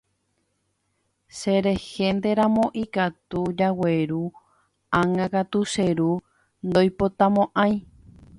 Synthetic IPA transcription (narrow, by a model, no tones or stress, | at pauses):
seɾe̞hend̪e̞ɾãmõʔikat̪ud͡ʒaweɾu | ãŋãkat̪useɾu | nd̪ojpot̪ãmõʔãj̃